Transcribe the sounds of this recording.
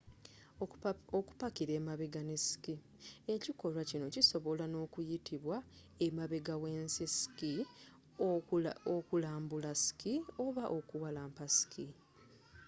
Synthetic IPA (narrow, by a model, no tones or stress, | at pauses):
oku̥pakiɾe̞ːmaβeɡanesi̥ki | e̞ciko̞lwacino̞ciso̞βo̞lano̞ːkujitiβwa | emaβe̞ɡawe̞ːnsisi̥ki | okulaːmbulasi̥kioβaʔo̞kuwalaːmpasi̥kʰi